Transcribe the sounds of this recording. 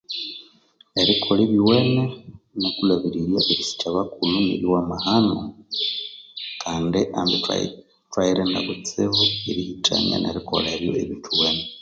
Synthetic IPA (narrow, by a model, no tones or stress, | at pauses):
eɾikʰoleβiweːnenokulaβiɾiɾjaʔeɾisi̥t͡ʃaβakulunḭɾiwamahano | kʰaːndiʔambḭ | twaiɾenda̰βut͡seβueɾihitʰa̰nḛnḛɾiko̰leɾjo̞̰ʔḛβiːtʰuweːne